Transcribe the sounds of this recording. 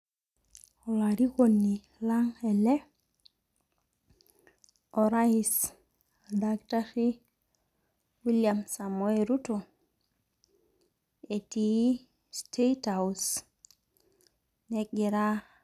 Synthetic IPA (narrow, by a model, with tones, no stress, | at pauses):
ɔ˨laɾi˦ko˨nːi˨ | la˦ŋɛ˨lɛ˦ | ɔ˨ɾais | adakta˦si˦ | wi˦ljamsa˨moe˦ɾu˦to˨ | e˨tii˦ | stʰe˦taus | nɛ˦kɡi˨ɾa˦